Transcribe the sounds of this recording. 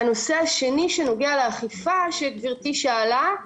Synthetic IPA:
ano̞se̞aʃe̞niʃeno̞ɡealeaχifaʃet̪viʁt̪iʃaːla

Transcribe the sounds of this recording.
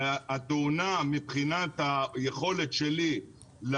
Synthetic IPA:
at̪ounamipχinat̪hajeχo̞le̞t̪ʃeli | l

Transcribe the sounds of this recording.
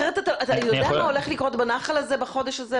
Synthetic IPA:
eet̪ataʔatajod̪eammao̞le̞χlikʁo̞tbanaχalazebaχo̞deʃaze

